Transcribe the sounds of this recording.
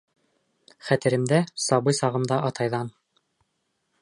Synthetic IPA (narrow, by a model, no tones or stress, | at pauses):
χæt̪ɘ̆ɾɘ̆md̪æsɑβɤjsɑʁɤ̆md̪ɑʔɑt̪ɑjðɑn